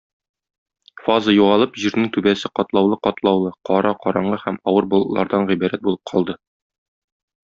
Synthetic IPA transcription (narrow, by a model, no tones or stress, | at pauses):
fɑzɤjuʁɑlˠɤpʑiɾnɘŋt̪ʉbæsɘqɒt̪lˠɑwlˠɤqɒt̪lˠɑwlˠɤqʰɒɾɑqɒɾɑɴɢɤhæmɒwɤɾbolˠɤ̆lˠɑ̰ɾd̪ɑɴʁibæɾæt̪̚bulˠɤp̚qʰɒlˠd̪ɤ